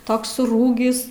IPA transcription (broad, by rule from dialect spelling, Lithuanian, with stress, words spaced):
ˈtoːks sʊˈruːɡʲɪs